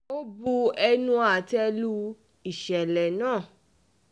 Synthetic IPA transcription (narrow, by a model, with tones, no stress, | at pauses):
o˦bu˧ɛ˧nũ˧˦a˨tɛ˧lu˧˦ | i˦˨ʃɛ˨lɛ˨nãː˦˨